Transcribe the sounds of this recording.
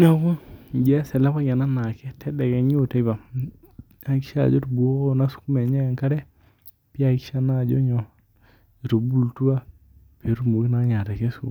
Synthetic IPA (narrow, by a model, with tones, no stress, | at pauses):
na˦ku˦˨d͡ʒe˦se˨la˦pa˦ɡe˨na˦na˨kɛ˦te˦de˨ke˨ɲ˦o˦˨te˦ba˨ | a˦ki˦ʃa̰˨d͡ʒo˦ɾbu˨o˦o˦˨na˦su̥˨ku˦me˨ɲa˦je˨ŋka˦ɾe˦ | pi˦a˦ki˦ʃa˦na˦˨d͡ʒo˦ɲo˨ | ɾo˨bu˦˨ltu˦a˦ | pe˨˦ɾu˦mu˨ɡi˦na˦ɲa˨te˨ke˦sṵ˦˨